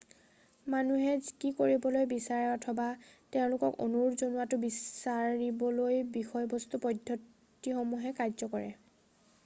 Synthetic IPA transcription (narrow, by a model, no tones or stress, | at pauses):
manuɦɛzkikoɹibɔlojbisaɹɛɔtʰɔbateʊ̃lʊkɔko̰nuɹzonuatʊbisaɹibɔlojbixɔjbɔst̪upɔdʱɔ | tixɔmuɦɛkajzɔkɔɹɛ̰